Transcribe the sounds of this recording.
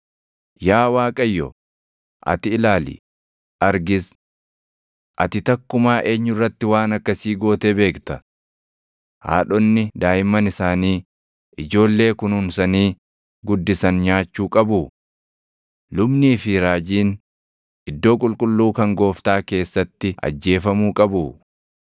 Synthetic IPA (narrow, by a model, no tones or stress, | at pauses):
jaːwaːkʼɐjːɔ̰ | ʔɐ̰t̪ɪɪlaːlḭ | ʔɐɾɡɪs | ʔɐt̪ɪt̪ɐkːʊmaːʔe̞ːɲːʊrːɐt̪ːɪwaːnɐkːɐsiːɡo̞ːt̪ebe̞ːkt̪ɐ | ha̰ːᶑɔnːɪd̪aːjɪmɐnɪsaːniː | ʔɪd͡ʒo̞ːlːe̞ːkʊnʊnsɐniː | ɡʊd̪ːɪsɐnɲaːt͡ʃːuːkʼɐbʊ | lʊbniːfɪɾaːd͡ʒiːn | ʔɪd̪ːo̞ːkʼʊlkʼʊlːuːkɐŋɡo̞ːft̪aːke̞ːsːɐt̪ːɪʔɐ̰d͡ʒːe̞ːfɐmuːkʼɐbʊ